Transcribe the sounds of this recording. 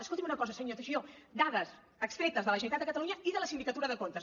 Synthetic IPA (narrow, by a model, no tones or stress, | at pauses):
əskolt̪imunəkɔzəsəɲot̪əʒiod̪aðəs | əkst̪ɾet̪əzðələʒənit̪ad̪əkət̪əluɲɐiðələsind̪ikət̪uɾəðəkont̪ə